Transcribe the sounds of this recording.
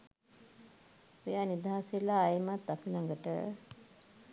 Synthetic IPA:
ojaːnid̪aɦaslaːjmat̪ːapilaŋɡəʈə̰

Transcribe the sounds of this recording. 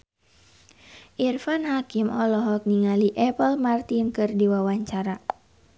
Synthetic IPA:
ʔirfanhakimʔɔlɔɦɔk̚niŋaliʔɛpəlmart̪inkɨrdiwawaɲt͡ʃaɾa

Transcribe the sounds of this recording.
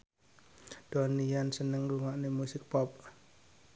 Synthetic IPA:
d̥ɔnijansənəŋluŋaʔnemusɪk̚pɔp̚

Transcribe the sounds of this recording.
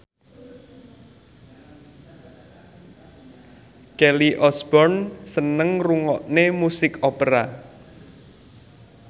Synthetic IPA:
kɛliʔɔsb̥ɔrnsənəŋruŋɔʔnemusɪkopəɾa

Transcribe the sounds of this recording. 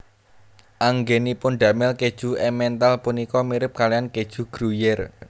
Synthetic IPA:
ʔaŋɡenipʊnɖ̪a̤mɪlked̥ʒ̥ṳɛmɛnt̪alpunikɔmiɾɪp̚kalijanked̥ʒ̥ṳɡ̥ɾujɛr

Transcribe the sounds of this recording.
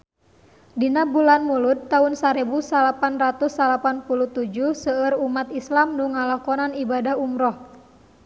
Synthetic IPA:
dinabulanmulut̪ːaʊnsaɾebusalapanrat̪usːalapanpulut̪ud͡ʒuhsəərumat̪islamnuŋalakɔnanibadaɦumɾɔh

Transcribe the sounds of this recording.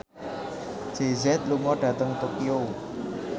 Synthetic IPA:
d͡ʒ̥ezɛt̪̚luŋɔɖ̥ä̤t̪əŋt̪okio

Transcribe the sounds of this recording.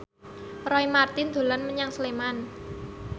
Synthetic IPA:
rɔimart̪ɪnd̪̥o̤lanməɲaŋsəleman

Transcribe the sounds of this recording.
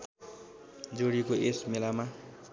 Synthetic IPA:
d͡zoɽikoesmelama

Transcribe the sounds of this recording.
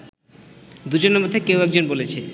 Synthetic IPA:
d̪ud͡ʑonemod̪ʱːekewɛk̚d͡ʑonbolet͡ɕʰe

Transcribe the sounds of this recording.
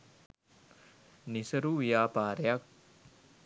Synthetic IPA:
nisəɾuʋijaːpaːɾejak̚

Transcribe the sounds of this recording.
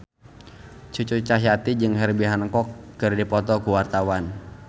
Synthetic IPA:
t͡ʃut͡ʃut͡ʃaʃat̪id͡ʒɨŋɦɛrbiɦanəŋkɔkːɨrdipɔt̪ɔkuwart̪awan

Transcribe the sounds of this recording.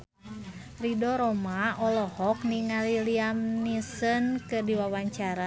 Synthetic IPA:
ridɔɾɔmaɔlɔhɔk̚niŋaliliamnisənkɨrdiwawaɲt͡ʃaɾa

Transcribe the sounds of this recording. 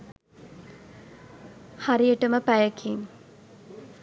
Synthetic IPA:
haɾijəʈəməpæjəkʰiŋ

